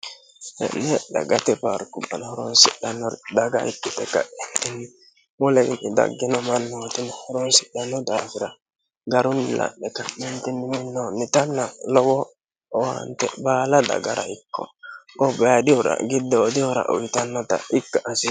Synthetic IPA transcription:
hɛ̰nːɛda̰ɡatɛpaɾkubanhɔɾonsiɗanɔɾdaɡa̰ikːɔtɛka̰entini | mɔleinida̰ɡːinɔmanːɔtinihɔɾɔnsi̥ɗanɔdafiɾa | ɡaɾunːilʔa̰ɗɛkamentiniminːɔnitanːalɔwɔ | wa̰ntɛ̰baːlada̰ɡaɾa̰ikːɔ̰ɔbajadiɔɾa̰ɡidːɛodiɔɾa̰ʔo̰witanːɔta̰ʔikːaʔasi

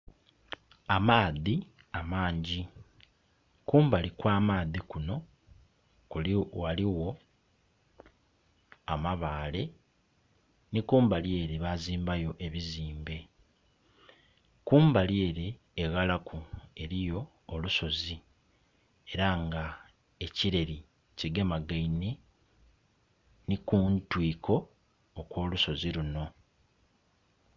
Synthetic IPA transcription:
amaːði | amaːɲɟi | kuːmbalikwaːmaːðikuno̞ | kwaliwo̞ | amaβaːle̞ | nikuːmbalje̞ɾeβaziːmbajo̞ʔe̞βiziːmbe̞ | kuːmbalje̞ːɾe̞ː | ɣalakʰue̞ɾijo̞ː | luso̞zi | e̞ɾaŋɡa | e̞ciɾe̞ɾi | ciɡemaɡaine | nikuntwiːkʰo̞ː | kwo̞ːluso̞ziluno̞

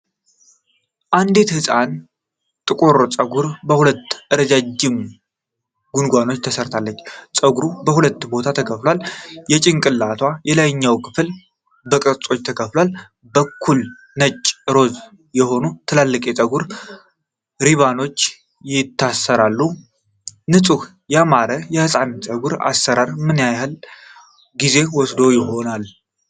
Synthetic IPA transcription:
ʔand̪et̪hɨsʼan | t̪ʼɨkʼoɾt͡sʼəɡuɾbəhulət̪ːʔɨɾəd͡ʒad͡ʒːɪm | ɡunɡʷano̞t͡ʃːt̪ʰəsəɾt̪ʰalːət͡ʃːt͡sʼəɡɾubəhulət̪ːbo̞t̪ʰat̪ʰəkʰəflwaljɛt͡ʃʼɪŋkʼɨlːat̪ʰwajɛlajɲːawkʰɨfɨl | bəkʼɨɾt͡sʼo̞t͡ʃːt̪ʰəkʰəflwal | bəkʰːul | nət͡ʃʼːɾo̞z | jɛho̞nut̪ʰɨlalːɨkʼet̪ʼəɡuɾ | ɾiβano̞t͡ʃː | jɪt̪ʰːasːəɾalːu | nɨsʼuh | jɛamaɾəjɛhɨsʼant͡ʃʼəɡuɾa̰sːəɾaɾmɨnjajal | ɡize̞wɔsd̪o̞jɪɦo̞nal

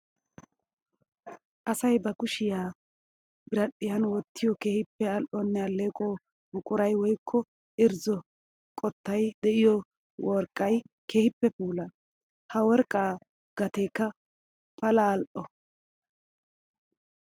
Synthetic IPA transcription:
ʔɐsɐjbɐkʊʃɪjaː | bɪɾɐɗɪjɐnwɔt̪ʰːɪjɔkeːhɪpːɛɐlʔɔnːɛɐlːeːkʼoː | bʊkʼʊɾɐjwɔjkʰːɔ | ʔɪɾzɔ | kʼɔt̪ːɐjd̪ɛʔɪjɔ | wɔɾkʼːɐj | keːhɪpːɛpuːlɐ | hɐwɔɾkʼaː | ɡ̥ɐt̪eːkːɐ | pɐlɐːlʔɔ

